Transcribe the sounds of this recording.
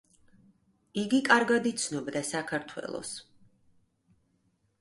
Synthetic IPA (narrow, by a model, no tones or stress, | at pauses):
iɡikʼaɾɡad̪it̪sʰnɔbd̪asakʰaɾt̪ʰwɛ̰lˠɔ̰s